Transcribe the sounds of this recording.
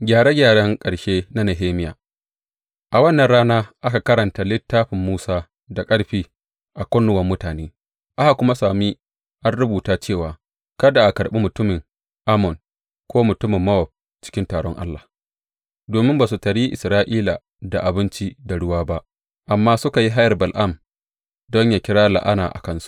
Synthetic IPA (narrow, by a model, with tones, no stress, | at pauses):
ɡʲaː˨ɽe˦ɡʲaː˨ɽɐ˦ŋkʼɐ˨ɽʃeː˦na˦nɐ˨ɦeː˦mɪ˦ja̰ː˨ | ʔa˨wɐ˦nːɐ˨nɽaː˦naː˦ʔa˦ka˨kɐ˦ɽɐ˨nta˨lɪ˦tːaː˦ɸɪ˨mːuː˦saː˦ | da˨kʼɐ˦ɽɸiː˦ | ʔa˨kʷɔ˦nːʊ˨wɐ˦mːʊ˦taː˨neː˦ | ʔa˦ha˨kʷʊ˦ma˦saː˨mi˦ | ʔa˦nɽʊ˦buː˨taː˦t͡ʃeː˦˨waː˨ | kɐ˦da˨ʔa˨kɐ˨ɽɓi˦mʊ˨tʊ˦mɪ˨ŋ | ʔa˦mɔ˨n | kʷoː˦mʊ˨tʊ˦mɪ˨mːɐ˦wɔ˨ɸ̚ | t͡ʃɪ̥˦kʲɪ˦ntaː˨ɽɔ˦ŋʔa̰˦lːa˨ | doː˨mɪ˦mbaː˨s̬u˨tɐ˨ɽi˦ʔɪ˨sɾaː˦ʔiː˦la̰˨ | da˨ʔa˨bɪ˦nt͡ʃi˦da˨ɽʊ˦waː˦ba˦ʔ | ʔa˨mːaː˦sʊ˦ka˨ji˦ɦa˦jɐ˨rbɐ˨lʔa˦˨m | dɔ˦ɲjaː˨kʲɪ˦ɽaː˦la̰˨ʔa̰˦na̰ː˨ʔa̰˨kɐ˦nsu̥˦ʔ